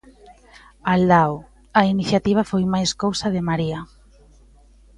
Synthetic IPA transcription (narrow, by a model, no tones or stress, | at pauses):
ald̪aw | ainiθjat̪iβ̞afojmajskowsaðemaɾia